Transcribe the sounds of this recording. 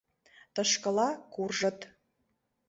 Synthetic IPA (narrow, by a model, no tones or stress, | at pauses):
t̪ɤ̆ʃkɤ̆lɑkurʒə̆t̪